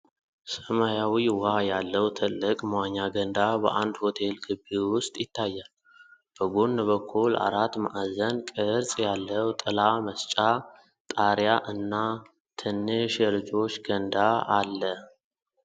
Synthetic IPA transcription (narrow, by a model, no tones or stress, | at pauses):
səmajawiwajalːəwt̪ʰɨlːɨkʼmwaɲːaɡənd̪abə̰ʔand̪ho̞t̪ʰe̞lɡɨbiwʊst̪ʼjɪt̪ʰːajːal | b̥əɡonːβəkʰːula̰ɾat̪ːma̰ʔazənkʼɨɾsʼjalːəwt̪ʼɨlaməst͡ʃʼa | t̪ʼaɾjaʔɨnːa | t̪ʰɨnːɨʃjɛlɨd͡ʒo̞t͡ʃːɡ̥ənd̪aalːə